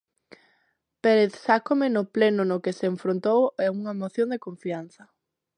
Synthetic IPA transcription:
peɾeθsakomenoplenonokeseːɱfɾont̪owɛuŋɐmoθjond̪ekoɱfian̟θɐ

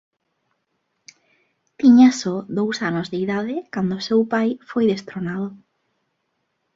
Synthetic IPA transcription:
t̪iɲasoðowsanʊzðeiðaðɪkand̪ʊsewpajfojðest̪ɾonaðʊ

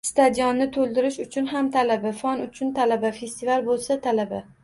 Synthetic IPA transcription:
st̪ʰad̪ijɒnːɪt̪ʰolˠd̪ɪɾɪʃʊt͡ʃʰʊnɦamt̪ʰalabafɒnʊt͡ʃʰʊnt̪ʰalabafe̞st̪ɪvalbolˠsat̪ʰalaba

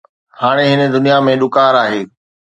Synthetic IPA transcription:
haːɽ̃eɦɪnə̆d̪ʊnijamẽɗʊkaːɾaːɦeː

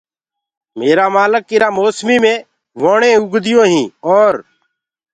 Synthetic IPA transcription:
meːɾaːmaːləkːɪɾaːmoːsmiːmẽː | ʋoːɳẽːʊɡʱd̪ɪjõːɦĩːoːɾ

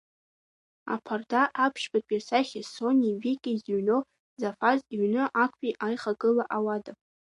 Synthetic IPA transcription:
a̰pʰardaʔapʰʃbatʼjasaχʲesonʲivikʲʼiziɥnow | zafaziɥnɨʔakʷʰʼiʔajχaɡʼɨlaʔawadapʼ

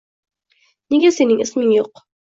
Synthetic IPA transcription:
niɡæsenɘŋɘsmɘŋjuq

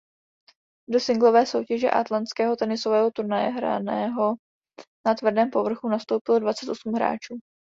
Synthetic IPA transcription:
do̞sɪŋɡlo̞vɛːso̞wcɛʒɛ̰ʔa̰t̪lant̪t͡skɛːɦo̞t̪ɛnɪsovɛːɦo̞t̪uɾnajɛɦɾa̰nɛːɦo̞ | nat̪vr̩dɛːmpo̞vr̩xunast̪o̞wpɪlo̞dvat͡sɛt̪o̞sum̩ɦɾa̰ːt͡ʃuː

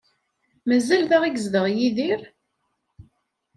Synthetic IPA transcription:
mæzːælθæʁiɡzðəʁjiðiɾ

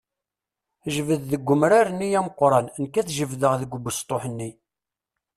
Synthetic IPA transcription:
ʒvəððəɡʷːəmɾaɾənːijæməqːɾˤɑnnkːæθʒəvðəʁðəɡʷbːəst̪ˤːoħənːi

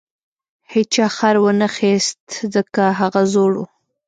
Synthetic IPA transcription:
het͡ʃɑxaɾwənaxest̪zəkaɦaɣazoɽṵ

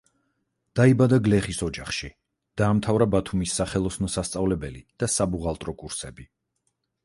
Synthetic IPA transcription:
d̪̥aibad̪aɡlɛχisɔd͡ʒaχʃi | d̪̥aːmt̪ʰavɾabat̪ʰumisːaχɛlˠɔsnɔsast̪sʼavlɛbɛlid̪̥asabuʁalˠt̪ʼɾɔkʼuɾsɛbi

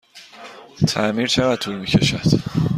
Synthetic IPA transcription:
t̪ʰæmiɾt͡ʃʰeɣæd̪̚t̪ʰuːlmiːcʰe̞ʃæd̪̥

